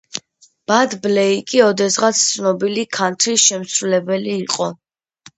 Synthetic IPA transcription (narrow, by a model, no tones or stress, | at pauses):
b̥ad̪blɛikʼiɔd̪ɛsʁat̪sʰt̪sʰnɔbilikʰant̪ʰɾiʃɛmsɾulɛbɛliːqʼɔ